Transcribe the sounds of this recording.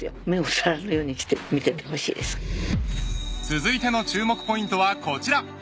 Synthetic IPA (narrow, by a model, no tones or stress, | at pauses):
jo̰me̞o̞saɾaɾɯjo̞ːɲ̟ikʲi̥t̪emʲit̪e̞t̪eɦo̞ɕḭːd̪e̞sɨ̥ | t͡sɨzɨit̪e̞no̞t͡ɕɨːmo̞kɯ̟̥po̞ĩnt̪o̞βako̞t͡ɕiɾa